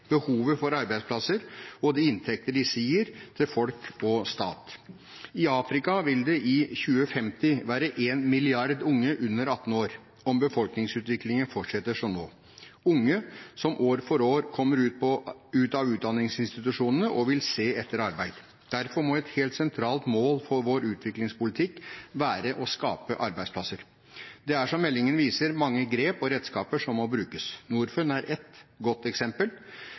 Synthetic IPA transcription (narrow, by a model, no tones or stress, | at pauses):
b̥əhuːʋəfɔɾɑɾbæɪspʰlɑsəɾɔd̪ɛɪnt̪ʰɛk̚t̪əɖɪsiːəɾt̪ʰɪlfɔlkʰɔst̪ɑːt̪ | ɪɑːfɾɪkɑʋɪld̪ɛʔɪçʉːəfɛmt̪ɪʋæːɾəʔeːnmɪlɪɑɾd̪ʊŋːəʔʉnːəɾɑt̪ːn̩oːɾ | ɔmbəfɔlknɪŋsʉːt̪ʋɪklɪŋənfɔʈʂɛt̪ːəʂɔmnoː | ʊŋːəsɔmʔoːɾfɔɾoːɾkʰɔmːəɾʉːt̪̚pɔʉːt̪ɑʋʉːt̪̚d̪ɑnɪŋsɪnst̪ɪt̪ʉʂuːnənəʔɔʋɪlseːɛt̪ːəɾɑɾbæɪd̪ | d̪̥æɾfɔɾmɔɛt̪heːlt̪sɛnt̪ʰɾɑːlt̪moːlfɔɾʋoːɾʉːt̪ʰʋɪklɪŋspʊlɪt̪ʰɪkːʋæːɾəʔɔskɑ̰ːpəʔɑɾbæɪd̪spʰlɑsəɾ | d̪ɛæʂɔmːɛlːɪŋənʋiːsəɾmɑŋːəɡɾeːpɔɾɛd̪skɑːpəʂɔmːɔbɾʉːkəsnuːɾfənæɾʔɛt̪ɡɔt̪ːɛksɛmpəl